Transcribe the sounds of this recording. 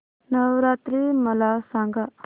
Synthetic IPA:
nəwɾaːt̪ɾiməlasãːŋɡa

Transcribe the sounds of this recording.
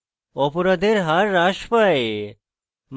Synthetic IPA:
ɔpoɾad̪eɾɦaɾːaʃpae | m

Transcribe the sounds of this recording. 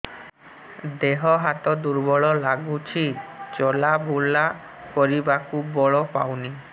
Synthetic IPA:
d̪eɦɔɦat̪ɔd̪uɾbɔɭɔlaɡut͡ʃʰit͡ʃɔlabʱula | kɔɾibakubɔɭɔpawni

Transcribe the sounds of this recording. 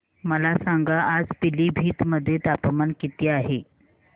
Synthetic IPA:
məlasaŋɡaʔːd͡zpiliːbʱiːt̪məd̪ʱːjet̪apəmənkit̪iːaɦe

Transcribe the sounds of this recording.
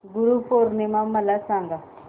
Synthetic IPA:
ɡuɾupoɾnemaməlasaŋɡa

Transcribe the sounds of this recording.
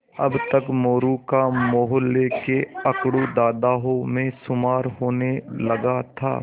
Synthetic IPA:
ɐbt̪əkmoːɾukamoːɦlekeɐkɽud̪aːd̪aːɦõmẽsʊmaːɾɦoːnelɐɡat̪ʰa̰ː

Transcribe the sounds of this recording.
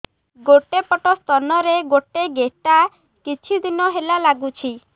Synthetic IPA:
ɡoʈepɔʈɔst̪ɔnɔɾeɡoʈeɡeʈa | kit͡ʃʰid̪inɔɦelalaɡut͡ʃʰi

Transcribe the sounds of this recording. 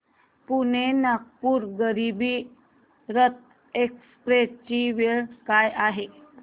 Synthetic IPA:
punenak̚puːɾɡəɾibiː | ɾət̪̚ | ekspɾet͡ɕiʋeɭkajaɦe

